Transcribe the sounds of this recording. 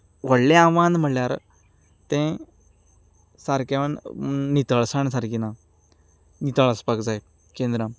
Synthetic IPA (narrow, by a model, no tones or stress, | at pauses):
ʋəɽlẽãʋãnd̪m̤əɭljaɾ | t̪ɛ̃ | saɾkaʋəɳnit̪əɭsaɳsaɾkina | nit̪əɭəspakd͡zaj | kẽnd̪ɾam